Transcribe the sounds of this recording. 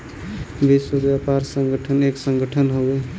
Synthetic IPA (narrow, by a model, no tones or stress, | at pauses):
bisobʋjapaɾsə̃ŋɡəʈʰəneksə̃ŋɡəʈʰənɦoɡe